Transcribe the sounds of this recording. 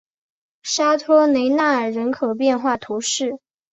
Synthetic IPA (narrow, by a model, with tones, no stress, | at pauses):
ʂa˥t̪ʰɔ˥ne˧˥ɪna˥˩ə˞˨˩ɻə˧˥nkʰɤ˨˩p̬jɛ˥˧nxwa˥˩t̪ʰu˧˥ʂɻ̩˥˩